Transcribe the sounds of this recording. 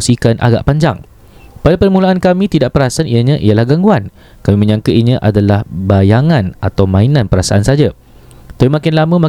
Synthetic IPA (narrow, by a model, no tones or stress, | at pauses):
sikanʔa̰ɡa̰ʔpaɲd͡ʒa̰ŋ | padapərmulaankamĩt̪idaʔpəɾasaanijaɲãʔialahɡaŋɡuan | kamimə̃ɲãŋkəʔiɲə̃ʔadalahbajaŋãnat̪awmãinãnpəɾasaʔansad͡ʒa | t̪aimãkɪnlamə̃mã